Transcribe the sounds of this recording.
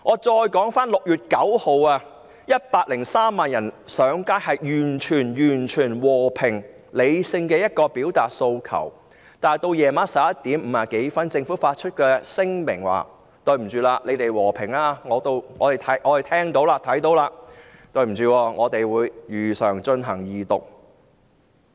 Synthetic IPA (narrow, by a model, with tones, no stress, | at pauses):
ŋɔː˨˧t͡sɔː˧jkɔː˨˥ŋfaː˥nlʊ˨k̚jyː˨t̚kɐ˨˥who˨˧waː˧ | jɐ˥t̚paː˧t̚lɪ˨˩ŋsaː˥mːaː˨njɐ˨˩nsœː˨˥ŋkaː˥jhɐ˨jjyː˨˩nt͡ʃʰyː˨˩njyː˨˩nt͡ʃʰyː˨˩nwɔː˨˩pʰɪ˨˩ŋ | le˨˧jsɪ˧ŋkɛː˧jɐ˥t̚kɔː˧piː˨˥wt̪aː˨t̚so˧wkʰɐ̰˨˩w | t̪aː˨˩jt̪o˧wjɛː˨˧˩maː˨˥sɐ˨˥p̚jɐ˥tt̪iː˨˥mm̩ː˨˩aː˨ke˨˥jfɐ˥nt͡sɪ˧ŋfuː˨˥faː˧t̚t͡ʃʰɵ˥t̚kɛː˧sɪ˥ŋmɪ˨˩ŋwa̰ː˨ | t̪ɵ˧ɥm̩˨˩t͡ʃyː˧laː˧le˨˧jt̪e˨jwɔː˨˩pʰɪ˨˩ŋaː˧ŋɔː˨˧t̪o˧wŋɔː˨˧t̪e˨jt̪ʰɐ˨˥jʔɔː˧e˨jt̪ʰɛː˥ŋt̪o˨˧˥wlaː˧t̪ʰɐ˨˥jt̪o˨˥wlaː˧t̪ɵ˧ɥm̩˨˩t͡ʃyː˧wɔː˧˩ŋɔː˨˧t̪e˨jwuː˨˧jjyː˨sœː˨˩ŋt͡ʃɵ˧nɦɐ˨˩ŋjiː˨˧t̪ʊ˨k̚